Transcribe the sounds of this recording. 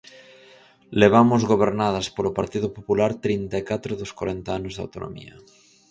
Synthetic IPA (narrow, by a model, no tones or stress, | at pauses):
leβ̞amʊzɣoβ̞eɾnaðɐspolopaɾt̪iðʊpopulaɾt̪ɾint̪aekat̪ɾʊðoskwaɾɛnt̪aanʊzða̰wt̪ono̰mḭɐ̰